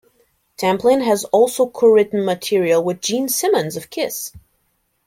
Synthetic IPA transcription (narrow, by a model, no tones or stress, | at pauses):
tʰæ̃mplɪ̃nɨzɔlˠsoʊkʰoɹɪʔn̩mɨtʰɪɹiəl̩ˠwɨðd͡ʒĩnsɪ̃mə̃nzʌv̥kʰɪs